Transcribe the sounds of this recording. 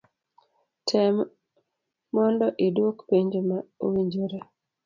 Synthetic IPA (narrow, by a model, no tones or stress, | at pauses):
tʰɛm | mɔndɔʔedwokpeɲd͡ʒomao̰wiɲd͡ʒoɾe